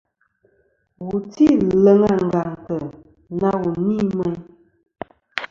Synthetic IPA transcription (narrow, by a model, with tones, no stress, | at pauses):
wu˨ti˦lə˨ŋa˦˨ŋ̩˨ɡa˨ŋtə˨ | na˦wu˨ni˦mɛ˦ɲ